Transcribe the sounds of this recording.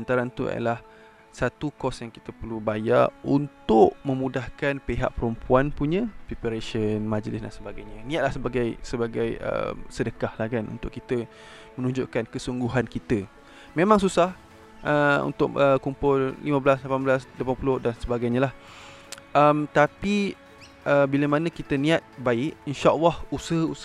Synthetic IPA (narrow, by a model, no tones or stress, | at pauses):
ant̪aɾant̪ua̰ja̰lah | sat̪ukɔsjaŋki̥t̪əpəlubajaunt̪ʊʔmə̃mudahkanpeɦa̰ʔpəɾumpuanpuɲə̃pɾipəɾeʃənmãd͡ʒlɪsda̰nsəbaɡajɲanĩat̪̚lahsəbaɡajsəbaɡajə̰msədəkahlahkanṵnt̪ʊʔkit̪ə | mənũɲd͡ʒʊʔkankəsuŋɡuɦankit̪ə | memãŋsusah | ʔəṵnt̪ʊʔʔəkumpʊlːḭmãblaslapanblaslapanpulʊhdansəbaɡajɲãlah | əmt̪api | ʔəbiləmanə̃kit̪ənĩat̪̚baɪʔinʃaʔəlːɑhusəu